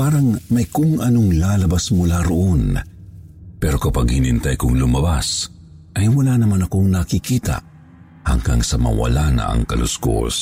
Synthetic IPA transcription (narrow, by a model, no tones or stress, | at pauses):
paːɾɐŋmɐjkʊŋʔɐnoŋlaːlɐbasmʊlaɾoʔon | pɛɾo̞kɐpaɡhɪnɪnt̪ajkʊŋlʊmɐbas | ʔɐjwɐlanɐmanɐko̞ŋnɐkɪkiːt̪a̰ | hɐ̰ŋɡaŋsɐmɐ̰wɐ̰lanɐ̰ʔɐ̰ŋkɐlʊsko̰s